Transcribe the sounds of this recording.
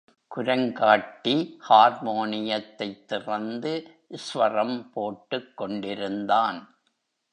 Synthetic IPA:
kʊɾɐŋɡaːʈːihaːɾmoːnɪjɐt̪ːɐɪt̪ːɪrɐnd̪ɯ | sʋɐrɐmpoːʈːɯkːɔɳɖɪɾɯnd̪aːn

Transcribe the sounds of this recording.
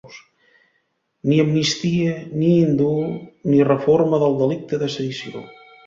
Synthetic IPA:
s | niəmnist̪iəniind̪unirəforməðəlˠd̪əlik̚t̪əðəsəðisio̰

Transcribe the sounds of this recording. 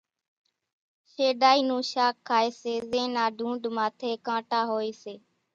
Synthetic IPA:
ʃeːɗaːiːnũːʃaːkʰːaːeːseːzẽːnaːɖʱũːɳɖmaːt̪ʰeːkãːʈaːɦoːeːseː

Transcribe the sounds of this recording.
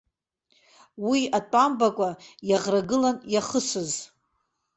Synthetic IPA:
wiatʼambakʷʼajaʁraɡɨlanjaχəsɨz

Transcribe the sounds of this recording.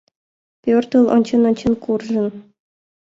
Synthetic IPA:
pʲørt̪ɤ̆lˠɤ̰nʲt͡ɕɤ̆nɤ̆nʲt͡ɕɤ̆nkurʐɤ̆n

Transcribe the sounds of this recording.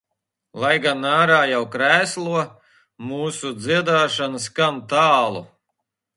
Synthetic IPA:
lˠajɡanaːɾaːjawkɾæːslˠuɔ | muːsud̪ziɛd̪aːʃanɨskant̪aːlˠṵ

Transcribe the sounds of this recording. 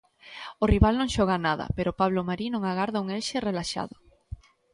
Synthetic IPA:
oriβalnõŋʃɔɣanaðɐ̰peɾopaβ̞lomaɾinõŋaɣaɾðauŋelʃerelaʃa̰ðʊ

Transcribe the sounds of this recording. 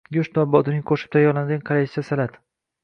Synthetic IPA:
jʊʃt̪nɒbɒt̪ɪnɪŋʲkʰoʃɪ̥p̚t̪ʰajɒɾlanɡʲaŋkʰalajt͡ʃʰasalat̪

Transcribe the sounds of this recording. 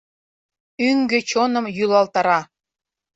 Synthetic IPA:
yŋɡɘ̆t͡ɕonɤ̆mjylˠɑlt̪ɑɾɑ

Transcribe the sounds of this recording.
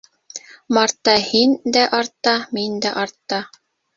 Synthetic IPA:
mɑɾt̪ːɑhind̪æʔɑɾt̪ːɑmind̪æʔɑɾt̪ːɑ

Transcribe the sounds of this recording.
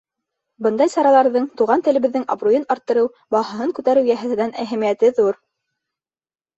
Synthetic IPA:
bɤnd̪ɑjsɑɾɑlˠɑɾðɤɴt̪uʁɑnt̪ɘ̆ɘ̆βɘ̆ðːɘŋɑ̰brujɤnɑɾt̪ːɤ̆ɾɤw | bɑhɤ̆ɦɤŋkʉt̪æɾɘwjæɦæ̆t̪ɘ̆nænʔæɦæmijæt̪ɘðuɾ

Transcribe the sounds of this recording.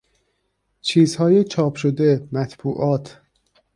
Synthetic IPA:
t͡ʃʰiːzhɒːjet͡ʃʰɒːpʰʃod̪e̞mæt̪ʰb̥uːʔɒːt̪ʰ

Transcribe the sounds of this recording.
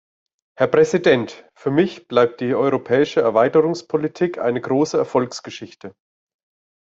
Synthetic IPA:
hɛɐpʁ̥ɛzidɛntfyːɐmɪçb̥laɪp̚t̚d̥iːʔɔʏʁopʰɛːɪʃəɛɐvaɪtəʁʊŋspʰolitʰiːkʰʔa̰ɪnəɡʁoːsəɛɐfɔlksɡ̥əʃɪçtʰə

